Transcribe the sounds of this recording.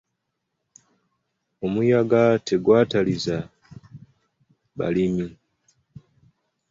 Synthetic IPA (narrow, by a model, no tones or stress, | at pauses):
omujaɡatʰeɡwaːtaliza | ba̰limi